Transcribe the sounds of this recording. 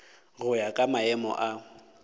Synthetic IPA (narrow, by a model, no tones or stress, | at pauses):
ɣʊjakʼamaɛmɔ̰ʔa